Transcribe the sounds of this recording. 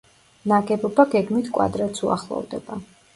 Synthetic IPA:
naɡɛbɔbaɡɛɡmit̪ʰkʼwa̰d̪ɾat̪sʰua̰χlˠɔ̰vd̪ɛba

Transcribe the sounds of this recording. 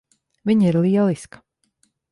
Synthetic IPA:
viɲiɾlˠiɛlˠiskə̥

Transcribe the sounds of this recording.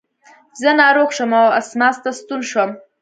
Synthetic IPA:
zənɑɾoxʃəmawasmɑst̪ast̪unʃwəm

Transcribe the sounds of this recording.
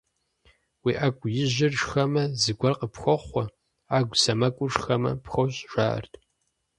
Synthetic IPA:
wiːʔaːɡʷʼʊjɪʑɪrʂxɐmɐzɨɡʷɐrqʼəpxʷɔχʷɔ | aːɡʷsɐmɐkʷʼʊʂxɐmɐ̰pxʷowɕʼʒʷa̰ːʔɐ̰rtʰ

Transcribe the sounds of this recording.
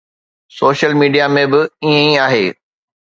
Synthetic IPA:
soːʃəlmiːɖijamẽbɪiẽĩaːɦeː

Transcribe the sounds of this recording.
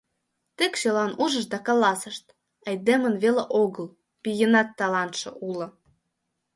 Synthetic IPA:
t̪ekʃelɑnuʒə̆ʃd̪ɑkɑlɑsəʃt̪ | ə̆jd̪emə̆nβeleʔoɣəl | pijənɑt̪ːɑlɑnt̪ʃɤ̰̆ʔulɤ̆

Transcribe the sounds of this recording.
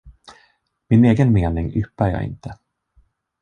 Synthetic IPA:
mɪneːɡənmeːnɪŋʏpːaɾjɑ̰ːɪ̰nt̪ʰə

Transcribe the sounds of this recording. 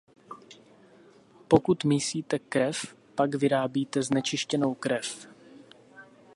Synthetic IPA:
po̞kut̪miːsiːt̪ɛkɾɛf | paɡvɪɾaːbiːt̪ɛznɛt͡ʃɪʃcɛno̞wkɾɛf

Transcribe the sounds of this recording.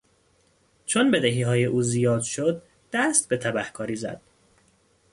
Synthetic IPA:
t͡ʃʰonbe̞d̪eɦiːɦɒːje̞ʔuːzijɒːd̪ʃod̪̚ː | æst̪̚be̞t̪ʰæbæhkʰɒːɾiːzæ̰d̪̥

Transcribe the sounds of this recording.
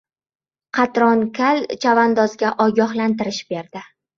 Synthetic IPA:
qʰɑt̪ɾɒnkʲʰalt͡ʃʰavand̪ɒzɡʲaʔɒɡʲɒhlant̪ɪɾɪʃb̥e̞ɾd̪ɪ

